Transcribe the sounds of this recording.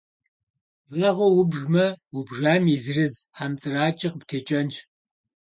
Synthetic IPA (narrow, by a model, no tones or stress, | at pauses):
ɐʁʷɔwʊbʒmɐwʊbʒaːmizɨrɨzħamt͡sʼɨraːt͡ʃʼɪqəptʰeːt͡ʃʼɐnt͡ʃ